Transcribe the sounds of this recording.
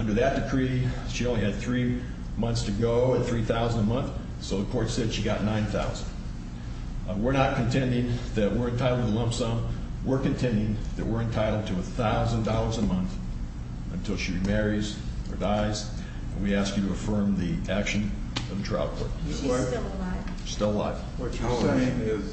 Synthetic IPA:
ʌ̃ndə˞ðɨt̚d̥ɨkʰɹ̥i | ʃiõʊ̃nliɨd̪̚θɹi | mʌ̃nθstʰɨɡoʊɨt̪̚θɹiθaʊz̃n̩dəmʌ̃nθ | soʊðəkʰɔɹtsɛd̥ʃiɡɑtⁿnãɪ̃nθa̰ʊzn̩d̥ | wɪɹnət̚kʰɨ̃ntʰɛ̃ndɪ̃ŋðɨʔ̚wɪɹɨ̃ntʰaɪɾl̩ˠdtʰəlʌ̃mpsʌ̃m | wɪɹkɨ̃ntʰɛ̃ndɪ̃ŋðɨ̰ʔ̚wɪɹɨ̃ntʰaɪɾl̩ˠd̚tʰɨːθaʊzə̃n̩dɔlˠə˞zəmʌ̃nθ | ɨ̰̃ntʰɪlˠʃibimɛɹiz | ə̰˞daɪz | ɨ̰̃nwiæskjɨɾɨɨfɜ̃˞mðiʔækʃɨ̃n | ʌvðɨtʰɹ̥a̰ɪʊd̚kʰɔ̰ɹt̚ | ɪ | stɪlˠla̰ɪf | ʌ̃mɪz

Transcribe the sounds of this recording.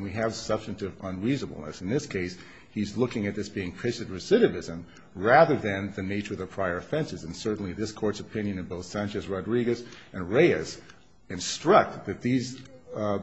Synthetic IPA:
nwiɨv̥sʌb̥stɨ̃n̩tɨvə̃nɹiznəbl̩ˠnɨ̰sn̩ðɪskʰeɪs | hizlʊkɪ̃ŋɨt̪̚ðɪsb̥iɪ̃ŋpʰɪt͡ʃɨd̚ɹɨsɪɾɨvɪzɨ̃m | ɹæðə˞ðɨ̃nðɨneɪt͡ʃə˞ʌvðɨpʰɹ̥aɪə˞ɨfɛ̃nsɨzɨ̃nsɜ˞ʔn̩liðɪskʰɔɹtsəpʰɪ̃njɨ̃nɨ̃boʊθsæ̃nt͡ʃɨsɹɑdɹiɡɨsʔɨ̃nɹeɪɨs | ɨ̃nstɹ̥ʌk̚t̚ðɨt̪̚ðiz

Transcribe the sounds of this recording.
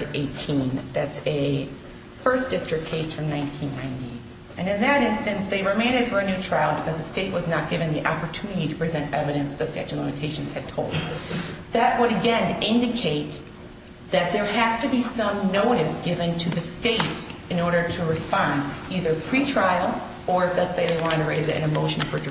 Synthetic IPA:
ɾeɪtʰĩnðætsɨ | fɜ˞sd̥ɪstɹ̥ɨk̚kʰeɪsfɹʌ̃mnãɪ̃ntʰĩnːãɪ̃ndi | ʔɨ̃nɨ̃nðɨɾɪ̃nstɨ̃nsðeɪɹɨmẽɪ̃nɨd̥fə˞ɨnʉtʰɹ̥aɪlˠbɨkʰʌzðɨsteɪʔ̚wʌznət̚ɡ̥ɪvɨ̃nðiʔɑpə˞tʰʉnɨɾiɾɨpʰɹ̥izɛ̃ntɛvɨɾɨ̃nsðɨstæ̰t͡ʃʉlɪ̃mɨtʰeɪʃnz̥ɨd̚tʰoʊlˠdðɨʔ̚wəɾɨɡɛ̃nɪ̃ndɨkʰeɪt̪̚ | ðɨt̪̚ðə˞æz̥tɨbisʌ̃mnoʊɾɨsɡ̥ɪvɨ̃ntʰɨðɨsteɪɾɨ̃nɔɹɾə˞ɾɨɹɨspɑ̃ndiðə˞pʰɹ̥itʰɹ̥aɪl̩ˠ | ə˞ɨflətseɪðeɪwɑ̃ntɨɹeɪzɨɾʔɨ̰̃nɨmoʊʃn̩fə˞d

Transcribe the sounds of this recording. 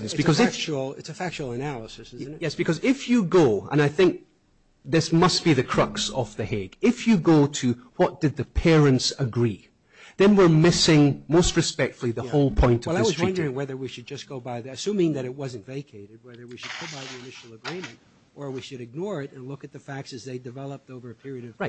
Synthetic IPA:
sb̥ɨkkʌzɪft͡ʃl̩ˠɪ̰tsɨfæk̚t͡ʃl̩ˠənælˠəsɨsɪzn̩jɛsb̥ɨkʰʌzɪfjɨɡoə̰̃ñaɪθɪ̃ŋk̚ | ðɪsmʌsb̥iðɨkʰɹ̥ʌksə̰fðɨhɛɡ̥ɪfjɨɡotʰɨwʌʔd̥ɨd̪̚ðɨpʰɛɹɨ̃ntsəɡɹi | ðɨ̃nwiɹmɪsɪ̃ŋmostɹɨspɛk̚tfl̩ˠiðəholˠpʰɔ̃ɪ̃ntʌvaðɪswʌzɹwʌ̃ndə˞ɪ̃ŋwɛðə˞wiʃɨd̚d͡ʒʌsɡ̥oʊbaɪðiɨsʉ̃mɪ̃ŋðɨɾɨt̚wʌzɨ̃ntv̥eɪkʰeɪɾɨd̚wɛðə˞wiʃɨd̚ɡʰʊbaɪðiɨnɪʃl̩ˠəɡɹĩmɨ̃nt | ʔə˞wiʃɨɾɨɡ̚nɔɹɪɾɨ̃nlˠʊkɨt̪̚ðɨfæk̚tsɨzðeɪdɨvɛlˠəp̚ðovə˞ɨpʰɪɹiɨɾʌv̥ɹaɪt

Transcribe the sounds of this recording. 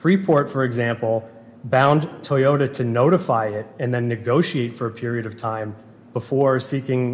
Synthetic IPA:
fɹipʰɔɹtfə˞ɨɡzæ̃mpl̩ˠ | bãʊ̃ntʰɔɪoʊɾɨɾʰɨnoʊɾɨfaɪɪɾɨ̃nðɨ̃nːɨɡoʊʃieɪtfə˞ɨpʰɪɹiɨɾʌv̥tʰãɪ̃m | b̥əfɔɹsikɪ̃ŋ

